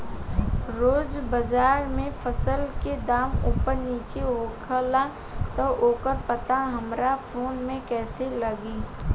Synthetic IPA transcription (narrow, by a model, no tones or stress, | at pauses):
ɾoːd͡ʒbəd͡ʒaːɾmẽfʰəsəlked̪aːmuːpəɾniːt͡ʃeɦoːkʰəla | t̪əoːkəɾpɐt̪aɦɐmɾafʰoːnmẽkɛːselɐɡiː